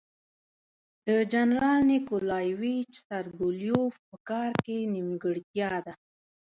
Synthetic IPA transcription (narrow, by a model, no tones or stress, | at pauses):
d̪̥əd͡ʒanɾɑlnikolɑjwit͡ʃsaɾd̪uljofpəkɑɾkenimɡəɽt̪jɑd̪a